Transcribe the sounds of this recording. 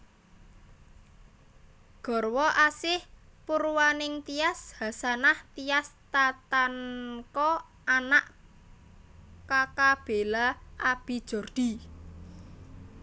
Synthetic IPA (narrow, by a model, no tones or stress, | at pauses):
ɡ̥ɔ̤rwɔʔasɪhpuɾuwanɪŋt̪iashasanaht̪ijast̪at̪ankɔ | anaʔ | kakab̥e̤laʔab̥i̤d̥ʒ̥ɔ̤rd̪̥i̤